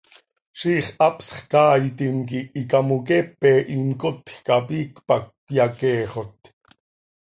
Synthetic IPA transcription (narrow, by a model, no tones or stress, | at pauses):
ʃiːχʔɑpsχkɑːjt̪imkiʔikɑmuk̬ɛpɛːʔimkot̪xkɑpiːkpɑkː | jɑkɛːχot̪